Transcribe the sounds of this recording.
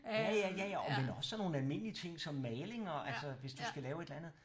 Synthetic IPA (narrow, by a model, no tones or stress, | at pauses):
jæjæjæjæɒmenɒ̽sːɒ̽nːo̝ːn̩ælme̝n̰əliət͡sʰe̝ŋ̰sɒ̽mːɛːle̝ŋɒ̽ʔælsɐʋe̝sd̥usɡ̥ælɛːʊe̝d̥lænð̩ˠ